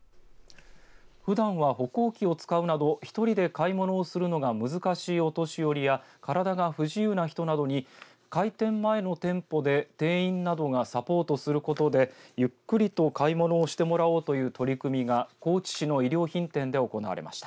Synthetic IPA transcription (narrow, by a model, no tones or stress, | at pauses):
ɸɯ̟d̪ãɰ̃βaɦo̞ko̞ːkʲio̞t͡sɨ̥kaɯ̟nad̪o̞çi̥t̪o̞ɾʲid̪e̞kaimo̞no̞ːsɨɾɯ̟no̞ɡamɯ̟zɨkaɕiːo̞t̪o̞ɕijo̞ɾʲijakaɾad̪aɡaɸɯ̟ʑiɯːnaçi̥t̪o̞nad̪o̞ɲ̟i | kait̪ẽ̞mːae̞no̞t̪ẽ̞mpo̞d̪e̞t̪e̞ːĩnːad̪o̞ɡasapo̞ːt̪o̞sɨɾɯ̟ko̞t̪o̞d̪e̞jɯ̟kːɯ̟ɾʲit̪o̞kaimo̞no̞ːɕi̥t̪e̞mo̞ɾao̞ːt̪o̞jɯ̟ːt̪o̞ɾʲikɯ̟mʲiɡako̞ːt͡ɕi̥ɕino̞iɾʲo̞ːçĩnt̪ẽ̞nd̪e̞o̞ko̞na̰βa̰ɾe̞̰ma̰ɕi̥t̪a